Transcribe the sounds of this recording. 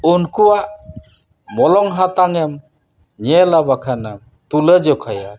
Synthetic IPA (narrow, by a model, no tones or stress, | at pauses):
unkuwaʔ | mɔlɔŋɦat̪aŋam | ɲelabakʰana | t̪uləd͡ʒɔkʰaja